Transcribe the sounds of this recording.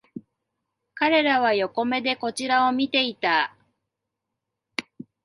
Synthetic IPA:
kaɾe̞ɾaβ̞ajo̞ko̞me̞d̪e̞ko̞t͡ɕiɾao̞mʲit̪e̞it̪a

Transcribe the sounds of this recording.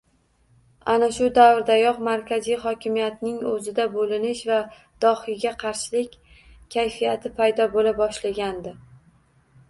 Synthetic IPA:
anaʃʊd̪avɾd̪ajɒqmaɾkʲʰazijχɒkʲʰɪmijat̪nɪŋɵzɪd̪abolɪnɪʃva | d̪̥ɒhɪlɡʲaqʰɑɾʃɪlɪkʲ | kʲʰːajfijat̪ʰɪpʰajd̪ɒbolabɒʃlaɡʲand̪ɪ

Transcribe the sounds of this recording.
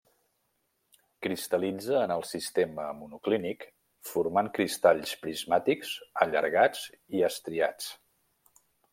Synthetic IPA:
kɾist̪əlid͡zəːnəlˠsist̪eməmunuklinik | fuɾmaŋkɾist̪aʎspɾizmat̪iksəʎə̰ɾɣad͡ziəst̪ɾiat͡s

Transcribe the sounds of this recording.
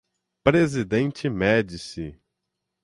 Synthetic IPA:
pɾezid̪ẽnt͡ʃɪmɛd͡ʒisɪ

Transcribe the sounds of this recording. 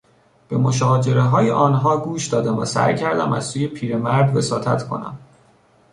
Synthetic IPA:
b̥e̞mo̞ʃɒːd͡ʒe̞ɾe̞ɦɒːjeʔɒːnɦɒːɡuːʃd̪ɒːd̪æmvæ̰sæ̰jcʰæɾd̪æ̰mæ̰z̥suːje̞pʰiːɾe̞mæɾd̪ve̞sɒːt̪ʰæ̰t̪ʰkʰo̞̰næ̰m

